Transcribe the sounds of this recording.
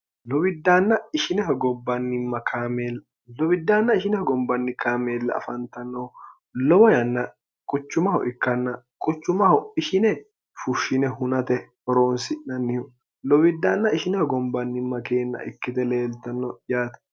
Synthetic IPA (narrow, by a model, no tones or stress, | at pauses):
lɔwɪd̪ːaːnːɐɪʃɪnɛhɔɡɔbːɐnːɪmːɐkʰaːmeːlɐ | lɔwɪd̪ːaːnːɐɪʃɪnɛhɔɡɔmbɐnːɪkaːmeːlːɐ̰ːfɐnt̪ɐnːɔ | lɔwɔjɐnːɐ | kʼʊt͡ʃːʊmɐhɔ̰ʔɪkːɐnːɐkʼʊt͡ʃːʊmɐhɔɪʃɪnɛ | fʊʃːɪnɛɦʊnɐt̪ɛ | ɔɾoːnsɪnɐnːɪjʊ | lɔwɪd̪ːaːnːɐɪʃɪnɛhɔɡɔmbɐnːɪmːɐkeːnːɐ̰ʔɪ̰kːɪt̪ɛle̞ːlt̪ɐnːɔjaːt̪